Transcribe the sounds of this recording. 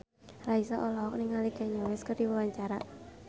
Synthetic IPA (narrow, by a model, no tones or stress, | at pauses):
raisaʔɔlɔɦɔk̚niŋalikɛɲɔwɛskərdiwəwaɲt͡ʃaɾa